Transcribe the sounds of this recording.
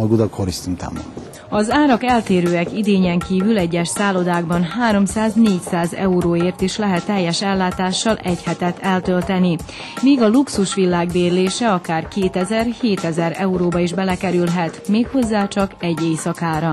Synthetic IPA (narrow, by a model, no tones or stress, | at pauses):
ɡud̪ɒkhoɾist̪int̪a̰ːmɔ̰ | ɒzaːɾɒkɛlt̪eːɾøːɛkid̪eːɲɛŋkiːvylɛɟːɛʃsaːlo̞d̪aːɡbɒnɦaːɾo̞msaːzneːcsaːzɛ̰uɾoːeːrt̪iʃlɛɦɛt̪ːɛjːɛʃɛlːaːt̪aːʃːɒlʔɛchɛt̪ɛt̪ʰːɛlt̪ølt̪ɛni | miːɡɒluksuʃʋilːaːɡbeːrleːʃɛɒkaːrkeːt̪ɛzɛrheːt̪ɛzɛɾɛuɾoːbɒiʒbɛlɛkɛɾylɦɛt̪meːkho̞zːaːt͡ʃɒkɛɟːeːjsɒkaːɾɒ